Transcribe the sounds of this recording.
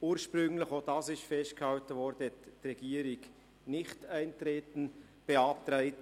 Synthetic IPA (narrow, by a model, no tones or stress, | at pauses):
uːɾʃpɾʏŋlɪxoːd̥ɑːsɪʃtfɛst̚khɑwtəvɔɾd̥əɛtːɾɛɡ̥iːəɾɪɡ | nɪχtæɪntɾeːtn̩ | b̥eɑp̚t̪ɾæɪt